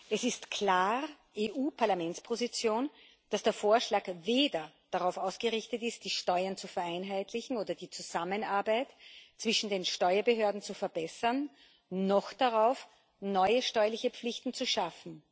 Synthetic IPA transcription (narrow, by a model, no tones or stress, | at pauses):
ʔɛsɪstkʰl̥aːʁ | ʔeːʔuːpʰaɐlamɛnspʰozit͡sjoːn | d̥asd̥eːɐfoːɐʃlaːkveːdɐ | d̥aʁaʊfaʊsɡ̥əʁɪçtətɪst̚d̥iːʃtɔʏɐnt͡sufɛɐʔaɪnɦaɪtlɪçn̩oːdɐdiːt͡suzamənaɐbaɪtt͡sv̥ɪʃn̩deːnʃtɔʏɐbəɦøːɐdn̩t͡sufɛɐbɛsɐnː | ɔxd̥aʁaʊf | nɔʏəʃtɔʏɐlɪçəpp͡flɪçtn̩t͡suʃafn̩